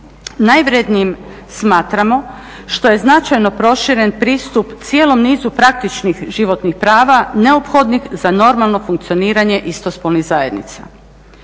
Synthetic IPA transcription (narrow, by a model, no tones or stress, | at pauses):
najʋɾed̪niim | smaːt̪ɾamo̞ | ʃt̪o̞je̞znat͡ʃajno̞pɾo̞ʃiɾe̞npɾiːst̪upt̪sjelo̞mniːzupɾak̚t̪it͡ʃnixʒiʋo̞t̪nixpɾaːʋane̞opxo̞d̪nixzano̞ɾmalˠno̞fuŋkt̪sio̞niːɾaɲe̞ʔist̪ospolniɣzaje̞d̪nḭt̪sa̰